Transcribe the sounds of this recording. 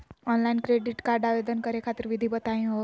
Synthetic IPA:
ɔnlainkɾeɖiʈkaɾɖaʋed̪ənkəɾekʰat̪əɾʋid̪ʱiːbət̪aɦĩɦo

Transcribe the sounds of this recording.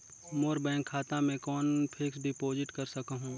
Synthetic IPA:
moːɾbɛ̃ːŋkʰːaːt̪amẽkɔːnpʰeksɖɪpoːzɪʈkɐɾsɐkaɦũː

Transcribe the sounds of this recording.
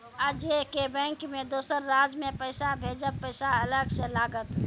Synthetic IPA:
əd͡ʒekebɛ̃ŋkmẽd̪oːsəɾːaːd͡ʒmẽpəɪsabʱed͡ʒəpəɪsaələɡselaːɡət̪

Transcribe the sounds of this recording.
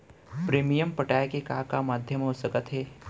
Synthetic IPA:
pɾeːmijəmpɐʈaːjkekaːkamaːd̪ʱjəmɦoːsəkət̪ɦeː

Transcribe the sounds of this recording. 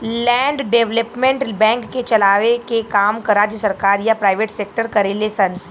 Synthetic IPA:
lɛ̃ːɳɖɖeːʋləpmẽɳʈbɛ̃ːŋkːet͡ʃɐlaːʋekekaːmkɐɾad͡ʒsɐɾkaːɾjapɾaːɪʋeːʈseːk̚ʈəɾkɐɾelesɐn

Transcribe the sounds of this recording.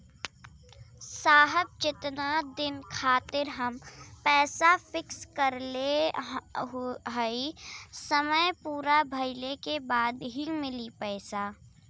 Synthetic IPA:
saːɦəb̚d͡ʒɪt̪nad̪ɪnkʰaːt̪ɪɾɦəmpɛːsafɪkskəɾle | ɦəisəməjpuːɾabʱɐɪlekebaːd̪ɦimɪlipɛːsaː

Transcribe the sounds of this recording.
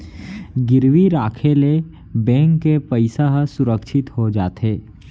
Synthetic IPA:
ɡɪɾʋiɾaːkʰele | bɛ̃ːŋkːepəɪsaɦsʊɾəkʃʰɪt̪ɦod͡ʒaːt̪ɦeː

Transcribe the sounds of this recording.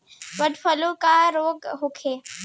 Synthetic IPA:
ʋəɖfəlokaɾoːɡɦokʰeː

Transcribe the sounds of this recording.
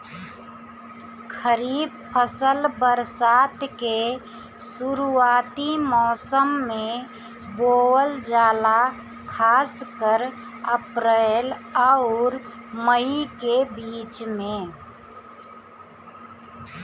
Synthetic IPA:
kʰəɾiːb̚ | pʰəsəlbəɾsaːt̪ke | suɾuaːt̪imɔːsəmːẽ | boːwəld͡ʒaːla | kʰaːskəɾ | əpɾeːlɔʊɾməikebiːt͡ʃmẽ

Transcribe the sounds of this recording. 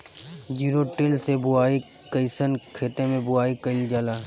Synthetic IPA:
d͡ʒiːɾoʈɪlsebʊaːi | kəɪsənkʰeːt̪emẽbʊaːikəɪld͡ʒaːlaː

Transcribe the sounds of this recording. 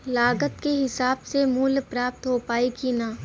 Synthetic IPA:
laːɡət̪keɦɪsaːbsemuːlpɾaːp̚t̪ɦopaːikina

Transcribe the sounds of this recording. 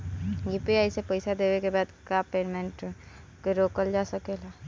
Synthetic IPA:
jipiaɪsepəɪsad̪ewekebaːd̪kapeːɖmẽɳʈ | keɾokəld͡ʒasəkela

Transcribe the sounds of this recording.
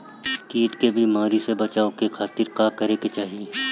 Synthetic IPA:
kiːʈkebʱimaːɾisebɐt͡ʃaːokekʰaːt̪ɪɾkaːkɐɾeket͡ʃaːɦijeː

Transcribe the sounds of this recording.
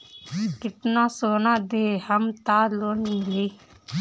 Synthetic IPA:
kɪt̪nãːsoːnãːd̪eːhəmt̪aːloːnmɪleː

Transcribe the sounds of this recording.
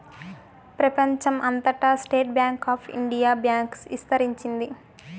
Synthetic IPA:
pɾɐpɐɲt͡ʃɐmʔɐnt̪ɐʈɐsʈeːʈ̚bjaːŋkaːpʰḭɳɖijaːbjaːŋksʋist̪ɐɾiɲt͡ʃind̪i

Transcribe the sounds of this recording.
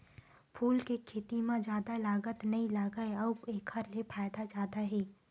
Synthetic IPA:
pʰuːlkekʰeːt̪imãd͡ʒjaːd̪alaːɡət̪nɐɦĩlaːɡəeɔbeːkʰəɾlepʰaːjd̪ad͡ʒjaːd̪aɦɛː

